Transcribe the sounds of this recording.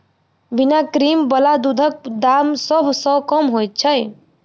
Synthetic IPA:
binakɾimbəlad̪ud̪ʱək̚d̪amsəbʱsə̃kəmɦojt̪̚t͡ʃʰəj

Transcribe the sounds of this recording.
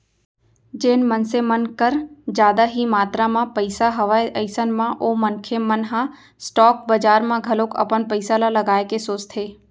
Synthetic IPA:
d͡ʒeːnmənsemənkəɾd͡ʒjaːd̪aɦimaːt̪ɾamãpəɪsaɦɐʋaːeʔəɪsənmãʔomənkʰemənɦã | sʈɔːk̚bəd͡ʒaːɾmãɡʱɐlokə̰pənpəɪsalalɐɡaːekesoːt͡ʃt̪ʰeː

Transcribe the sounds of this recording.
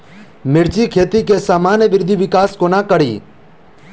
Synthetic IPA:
mɪɾt͡ʃikʰeːt̪ikesaːmaːnjəʋɪɾɪd̪ʱiʋɪkaːskonakəɽḭː

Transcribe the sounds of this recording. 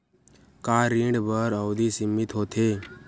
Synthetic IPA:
kaːɾĩːɳɖbəɾəwd̪isɪmːɪt̪ɦoːt̪ʰeː

